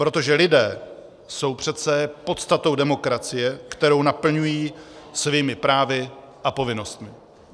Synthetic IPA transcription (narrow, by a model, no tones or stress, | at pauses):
pɾo̞t̪o̞ʒɛlɪdɛː | so̞wpr̝̥ɛt̪t͡sɛpo̞t̪st̪at̪o̞wdɛmo̞kɾat͡sɪjɛkt̪ɛɾo̞wnapl̩ɲujiːsviːmɪpɾaːvɪ | ʔapo̞vɪno̞st̪mɪ